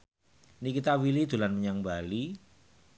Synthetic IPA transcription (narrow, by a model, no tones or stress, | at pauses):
nikit̪awilid̪̥ṳlanməɲaŋbali